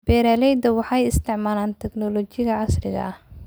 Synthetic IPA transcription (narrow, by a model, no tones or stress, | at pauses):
b̥ɛːɾaːlɛjd̪ɐwɑħɑjɪst̪ʰɪʕmaːlaːnt̪ʰɛɡnɔlɔt͡ʃɪɣɐʕɑsrɪɣɐ̰ɐh